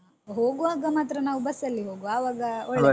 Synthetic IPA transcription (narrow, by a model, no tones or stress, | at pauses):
ɦoːɡuaːɡɐmaːt̪ɾɐnaːʋubɐsːɐlːiɦoːɡuaːʋaːɡɐoɭ